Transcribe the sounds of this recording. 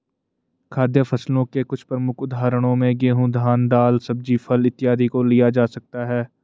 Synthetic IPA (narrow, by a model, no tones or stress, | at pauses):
kʰaːd̪jəfɐslõkekʊt͡ʃʰpɾəmʊkʰʊd̪ʱaːɾəɽ̃õmẽɡeːɦũd̪ʱaːnd̪aːlsɐb̚d͡ʒipʰɐlɪt̪ːɪjaːd̪ʱikolijad͡ʒaːsɐk̚t̪aɦɛː